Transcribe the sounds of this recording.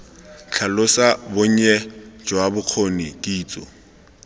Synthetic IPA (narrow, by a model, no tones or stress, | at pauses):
t͡ɬʰalʊsabʊɲ̩ɛd͡ʒwabʊq͡χʰonikʼiːt͡sʼɔ̰